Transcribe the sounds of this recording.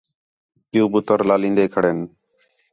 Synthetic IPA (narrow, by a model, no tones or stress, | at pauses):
p̪ɪjuːbʊt̪əɾlaːlĩːnd̪eːkʰəɽeːn